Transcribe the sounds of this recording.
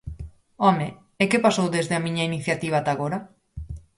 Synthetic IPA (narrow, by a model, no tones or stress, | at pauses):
ɔme | ekepasowðezðeamiɲɐiniθjat̪iβ̞aːt̪aɣoɾa